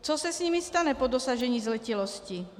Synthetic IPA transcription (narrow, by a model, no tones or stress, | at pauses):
t͡sɔsasɲimist̪aɲɛpɔd̪ɔsaʒɛɲiːzlɛcilɔsci